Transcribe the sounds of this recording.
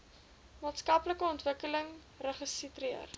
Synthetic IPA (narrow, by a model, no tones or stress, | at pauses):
mɑːtskɐpləkəɔntvəkələŋ | rəχəsitriə̰r